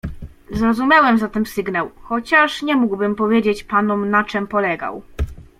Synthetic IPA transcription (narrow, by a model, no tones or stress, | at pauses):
zɾɔzumʲjawɛmzat̪ɛmsɘɡnawxɔt͡ɕaʂɲɛmuɡbɘmpɔvʲjed͡ʑet͡ɕpanɔmnat͡ʂɛmpɔlɛɡa̰w